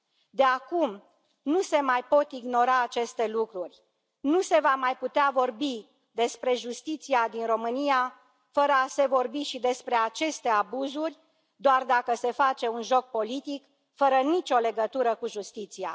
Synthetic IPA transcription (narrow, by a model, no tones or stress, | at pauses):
d̪eakum | nuse̞majpo̞t̪iɡno̞ɾaːt͡ʃe̞st̪e̞lukɾurʲ | nuse̞vamajput̪eavo̞rbi | d̪e̞spɾe̞ʒust̪it̪siad̪inro̞mɨnia | fəɾəase̞vo̞rbiʃid̪e̞spɾe̞at͡ʃe̞st̪e̞abuzurʲ | d̪oard̪akəse̞fat͡ʃe̞unʒo̞k̚po̞lit̪ik | fəɾənit͡ʃʲo̞le̞ɡət̪uɾəkuʒust̪it̪sia̰